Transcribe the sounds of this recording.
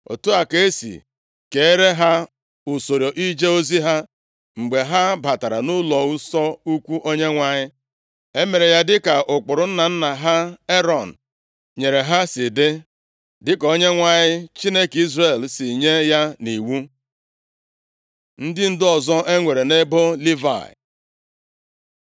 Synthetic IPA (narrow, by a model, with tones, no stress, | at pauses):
o̰˨tu˦a˨ke˦sḭ˨ | ke˨e˦ɾe˦ɦa˦ | ʊ˨so˨ɾjo˨ʔi˦d͡ʒe˦o˦zi˦ɦa˦ | ŋ͡m̩˨ɡ͡be˨ɦa˦ba˨ta˨ɾa˨nʊ˦lɔ˨wu˦sɔ˦u˦kʷu˦ʔo˦ɲe˦ŋʷa˨ɲɪ˦ | e˦me˨ɾe˨ja˦dɪ˦ka˨ʔʊ˨k͡pʊ˨ɾʊ˨n̩˦na˨n̩˦na˨ɦa˦e˦ɾɔ˨n̩˨ | ɲe˨ɾe˨ɦa˦sɪ˨dɪ˦ | dɪ˦ko˦ɲe˦ŋʷa˨ɲɪ˦t͡ʃi˦ne˦ki˦zre˨lsi˨ɲe˦ja˦ni˨wu˦ | n̩˦dɪ˦n̩˦dɔ˨zɔ˦ʔe˦ŋʷe˨ɾe˨ne˦bo˦li˦va̰˨